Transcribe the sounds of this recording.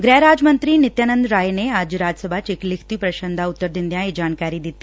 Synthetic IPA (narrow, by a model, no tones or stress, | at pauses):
ɡɾɛːɾaːd͡ʒmənt̪ɾinɪt̪jaːnə̃nd̪ɾaːjeneaːd͡ʒɾaːd͡ʒəsəbʱaːt͡ʃeklɪkʰt̪ipɾɐʃənd̪ʱaʊt̪ːəɾd̪ind̪jãːid͡ʒaːnkaːɾid̪it̪ːi